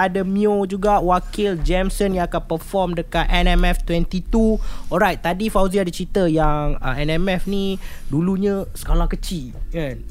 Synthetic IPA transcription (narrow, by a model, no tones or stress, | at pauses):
adəmiod͡ʒuɡaʔwakɪld͡ʒɛmsənjãŋakanpəfɔmdəkat̪ɛnɛmɛft̪wɛ̃nt̪it̪uɔlɾajt̪̚t̪ːadifawziadət͡ʃit̪əjaŋəɛnɛmɛfnĩduluɲə̃sə̥kalakət͡ʃi | ãn